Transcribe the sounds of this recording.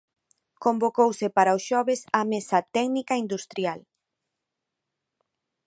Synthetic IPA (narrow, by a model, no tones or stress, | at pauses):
kombokowsɪpaɾaʊsʃɔβɪsamesat̪ɛɡnikaind̪ust̪ɾjal